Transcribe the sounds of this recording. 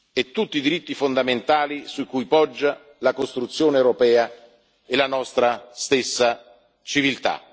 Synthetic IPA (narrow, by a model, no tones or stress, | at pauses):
ɛt̪ːut̪ːid̪iɾit̪ːifond̪ament̪aːlisuikujpɔd͡ʒːa | lakost̪ɾut̪sːjoːnewɾopɛːa | elanɔst̪ɾast̪esːa | t͡ʃivilt̪a̰